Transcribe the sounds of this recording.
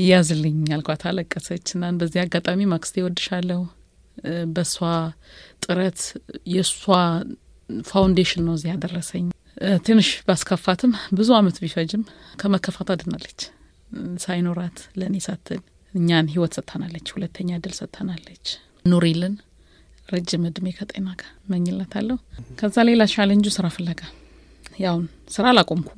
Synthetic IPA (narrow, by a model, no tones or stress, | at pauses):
jazlːɨɲalkʷat̪ʰaləkʼːəsət͡ʃːɨnːanbəzːihaɡat̪ʼamimakʼst̪ʰewɔd̪ɨʃalːəhu | bəswat̪ʼɨɾət̪jɛswa | fawnd̪eʃɪnːəwzijad̪ərːəsəɲː | t̪ʰɨnːɨʃbəaskʰəfːat̪ʰɨmbɨzuamət̪bifəd͡ʒɪmkʰəməkʰːəfat̪ad̪ɨnalːət͡ʃː | sajnoɾat̪lənesat̪ʰːɨl | ɨɲːanɦiwɔt̪sət̪ʼːənalːət͡ʃːhulət̪ʰːəɲːad̪ɨlsət̪ʼʰːənalːət͡ʃː | noɾilɨn | ɾəd͡ʒːɪmɨd̪mekʰət̪ʼenaɡḁməɲːɪlːat̪ʰalːəhukʰəzːalelat͡ʃalənd͡ʒusɨɾafəlːəɡa | jawn | sɨɾalakʼomkʰu̥